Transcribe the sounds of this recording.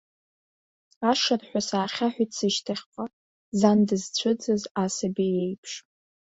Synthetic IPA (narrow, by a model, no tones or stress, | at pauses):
aʂarħʷᶣasaːχʲaħʷᶣʏtʼsɨʃtʰaχʲqʷʼa | zandɨzt͡st͡ɕʷʰɨd͡zɨzasabijejpʰʂ